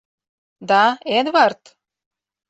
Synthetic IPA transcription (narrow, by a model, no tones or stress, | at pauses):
d̪ɑed̪βɑrt̪